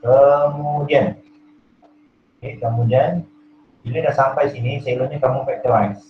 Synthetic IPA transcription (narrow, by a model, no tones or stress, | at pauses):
kəmũd͡ʒian | kekəmũd͡ʒian | biladaʔsampajsinisəiloɲakamũpɛk̚t̪əwajs